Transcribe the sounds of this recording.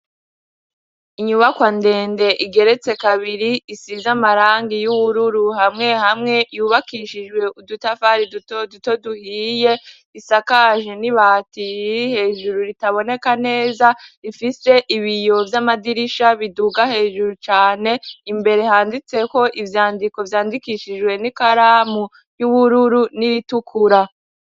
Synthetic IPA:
iɲuβakwande̞ːnde̞ʔiɡe̞ɾe̞t͡se̞kaβiɾiisizamaɾaːŋɡijuβuɾuɾuɦamŋe̞hamŋe̞juːβakiʃid͡ʒɡwe̞ʔudutafaɾidutoduto̞duhiːje̞ | isakaʒeniβaːtiihe̞ːʒuɾuɾitaβo̞ne̞kane̞ːzaɾifise̞ʔiβijo̞vjamadiɾiʃaβiduɡahe̞ːʒuɾut͡ʃaːne̞imbe̞ɾe̞ɦaːndit͡se̞ko̞ʔivjaːndiko̞vjaːndikiʃid͡ʒɡwe̞nikaɾaːmu | juβuɾuɾuniɾitukʰuɾa

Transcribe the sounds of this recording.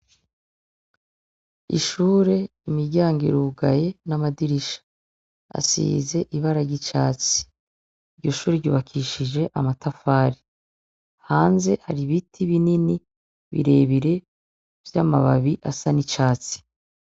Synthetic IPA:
ḭʃuːɾe̞ | imiɟaːŋɡiɾuɡaje̞namadiɾiʃḁ | a̰sḭːze̞ʔiβaɾaɾɟit͡ʃaːt͡si̥ | iɾɟo̞ʃuːɾeɾɟuːβakʰiʃiʒe̞ʔamatafaːɾi | haːnze̞haɾiβitʰiβinini | βḭɾe̞βiɾe̞ | v̥jaːmaβa̰βiʔasanit͡ʃaːt͡si̥

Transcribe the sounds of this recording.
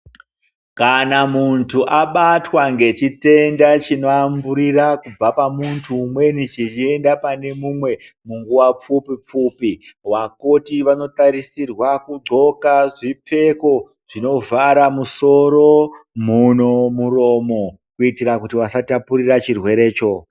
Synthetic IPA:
kanamuntʰuʔaɓatwaŋɡe̞t͡ʃite̞ndat͡ʃino̞ambuɾirakub͡vapamuntʰuːmwe̞nit͡ʃit͡ʃie̞ndapane̞mumwe̞ | muŋɡuwap͡fupip͡fupiwakotiʋano̞taɾisirwakuɡ͡ǀʱo̞kaʐip͡fe̞ko̞ | ʐ̥ino̞vaɾamuso̞ɾo̞muno̞muro̞mo̞ | kuitiɾakutiwasatapurirat͡ʃirwe̞ɾe̞ːt͡ʃo̞

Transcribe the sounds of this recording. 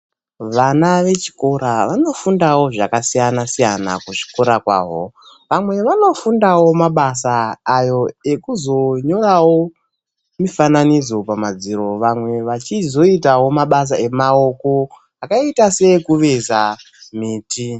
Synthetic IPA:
ʋanaʋe̞t͡ʃi̥ko̞ɾaʋano̞fundawo̞ʐakasijanasijana̰kuʐi̥ko̞ɾakwa̰ːɦo | ʋamwe̞ʋano̞fundawo̞maɓasaːjo̞e̞kuzo̞ɲo̞ɾawo̞ | mifananid͡zo̞pamad͡ziɾo̞ʋamwe̞ʋat͡ʃizo̞itawo̞maɓas̬ae̞mao̞ko̞ | akaitase̞kuʋe̞za | miːti

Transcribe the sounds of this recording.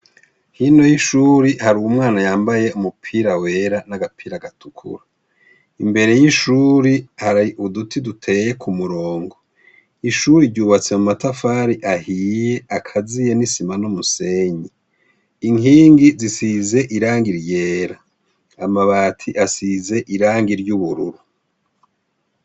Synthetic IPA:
hino̞jiʃuɾihaɾuwumŋaːnajaːmbaje̞umupʰiːɾawe̞ːɾanaɡapʰiːɾaɡatukʰṵɾa | imbe̞ɾe̞jiʃuɾihaɾaudutʰidutʰe̞je̞kʰumuɾoːŋɡo | iʃuɾiɾɟuːβat͡se̞mumatafaɾiʔahije̞akʰazijenisimanumuse̞ɲi | iŋiːŋɡizisize̞ʔiɾaːŋɡiɾje̞ːɾaː | maβaːtʰiʔasize̞ʔiɾaːŋɡiɾɟuβuɾṵɾu

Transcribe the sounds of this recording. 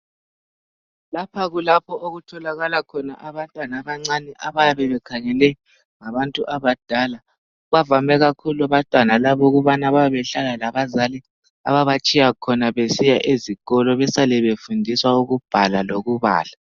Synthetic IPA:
lapʰaɣulapʰɔʔoɣutʰɔlaɣalakʰɔna̰ʔaβantʼwanaβaŋ͡ǀanɛʔaβajaβɛβɛkʰaŋɛlɛ | ŋaβantʼuʔaβad̥ʱala | βavamɛɣakʰuluaβantʼwanalaβɔɣuβanaβaβɛβɛɬalalaβazali | a̰βaβat͡ʃʼijakʰɔnaβesijaʔeziɣɔlɔβɛsalɛβefundʱiswauɣub̥ʱalaloɣuβa̰ːla

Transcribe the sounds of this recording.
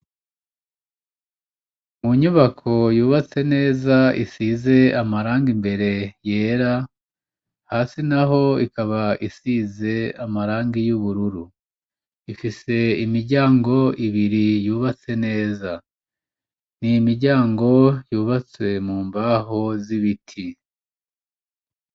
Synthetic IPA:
muɲuβakʰo̞juːβat͡se̞ne̞ːzaisiːze̞amaɾaːŋɡimbe̞ɾe̞je̞ːɾa | haːsinaɦo̞ikaβaʔisiːze̞amaɾaːŋɡijuβuɾuɾu | ifise̞imiɾɟaːŋɡo̞iβiɾijuːβat͡se̞ne̞ːza | nimiɾɟaːŋɡo̞juːβat͡se̞muːmbaho̞ziβitʰi

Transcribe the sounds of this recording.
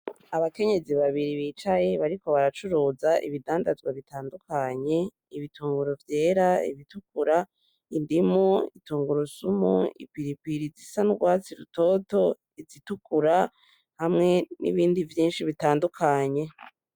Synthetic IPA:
aβake̞ɲe̞ziβaβiɾiβiːt͡ʃaje̞βaɾiko̞βaɾat͡ʃuɾuːzaʔḭβidaːndazɡwaβitaːndukʰaɲe̞ | iβituːŋɡuɾovje̞ːɾaḭβitukuɾa | indimuḭtuːŋɡuɾosumṵḭpiɾipiɾizisanuɡwaːt͡siɾuto̞ːto̞ | izitukʰuɾa | hamŋe̞nḭβiːndivjiːnʃiβitaːndukʰaɲe̞

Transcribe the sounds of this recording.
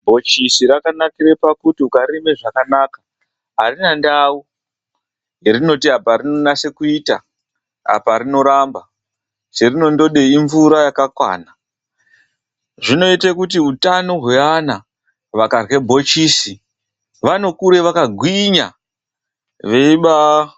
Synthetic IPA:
bʱo̞t͡ʃisiɾakanakiɾe̞pakutiukaɾimeʐakanaːka | ɦarinandau | jerino̞tiɦapaɾino̞nase̞kuiːta | ɦa̰paɾino̞ɾamba | t͡ʃerino̞ndo̞ɗe̞iɱvuɾajakakwa̰ːna | ʐino̞itekut̬iutanoɦweana | ʋakarwe̞bʱo̞t͡ʃiːsi | ʋano̞kuɾe̞ʋakaɡʱwiɲa | ʋe̞iɓa

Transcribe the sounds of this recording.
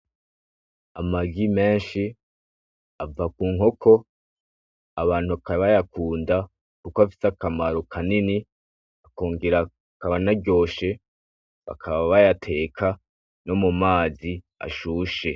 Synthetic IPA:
amaɡime̞ːnʃi | avakuːŋho̞kʰo̞ | aβaːnhukaβajakuːnda | kukoafi̥sakamaɾokʰanini | akoːŋɡeɾa | kaβanaɟo̞ːʃe̞ | βa̰kʰaβaβajatʰe̞ːkʰa | no̞mumaːzi | a̰ʃuːʃe̞

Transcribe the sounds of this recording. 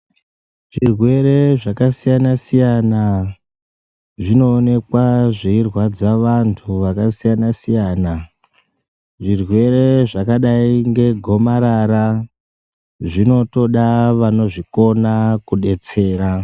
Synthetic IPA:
ʐirwe̞ɾe̞ʐakasijanasijana | ʐino̞ːne̞kwaʐiirwad͡zaʋantʰuʋakasijanasijaːna | ʐirwe̞ɾe̞ʐakaɗaiŋɡe̞ɡʱo̞maɾaɾa | ʐino̞to̞ɗaʋano̞ʐiko̞nakuɗe̞t͡se̞ːɾa

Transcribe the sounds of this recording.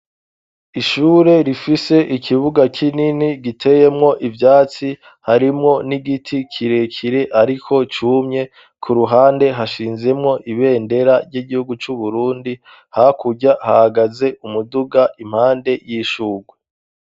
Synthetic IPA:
iʃuːɾe̞ɾifise̞ʔikʰiβuɡakʰininiɡitʰe̞je̞mŋo̞ʔivjaːt͡si | haɾimŋo̞niɡitʰikʰiɾe̞kʰiɾe̞ʔaɾikʰo̞t͡ʃumɲe̞ | kʰuɾuɦaːnde̞ɦaʃiːnze̞mŋo̞ʔiβe̞ːnde̞ɾaɾɟiɡihuɡut͡ʃuβuɾuːndi | hakuɟahahaɡaze̞ʔumuduɡaʔim̥haːnde̞jiːʃuːɡwe

